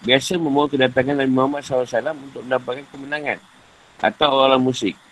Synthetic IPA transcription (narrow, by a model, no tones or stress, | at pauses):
biasaməmaukədat̪aŋandabimamasawasalamunt̪ʊk̚məndapakankəmənaŋan | ʔa̰t̪awaalamusɪk̚